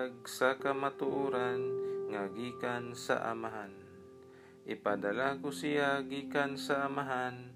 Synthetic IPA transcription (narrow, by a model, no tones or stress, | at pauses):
ɡ̚sakamat̪ʊʔuːɾanŋaɡiːkansa̰ʔa̰maɦan | ʔɪpad̪alakʊsɪjaɡiːkansaʔamaɦan